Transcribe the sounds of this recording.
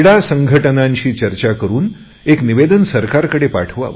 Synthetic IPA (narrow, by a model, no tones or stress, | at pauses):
ɽasəŋɡʱəʈənãɲt͡ɕiːt͡ɕəɾt͡ɕakəɾuːn | ekniʋed̪ənsəɾkaɾkəɽepaʈʰʋa̰